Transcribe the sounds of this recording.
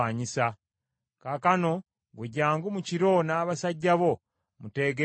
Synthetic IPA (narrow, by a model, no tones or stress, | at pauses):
aːɲisa | kakano̞ | ɡweɟaːŋɡumuciɾo̞naːβasaɟːaβo̞ | mute̞ɡe